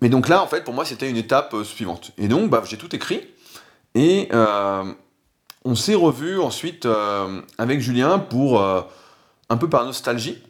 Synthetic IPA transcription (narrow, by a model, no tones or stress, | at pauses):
mɛd̪ɔ̃klaɑ̃fɛt̪̚puʁmwaset̪ɛynet̪apøsɥivɑ̰̃t̪ḛd̪ɔ̃kbaʒet̪ut̪ekχi | eø | ɔ̃sɛʁəvyɑ̃sɥit̪øavɛkʒyljɛ̃puʁø | ɛ̃pøpaʁnɔst̪alʒi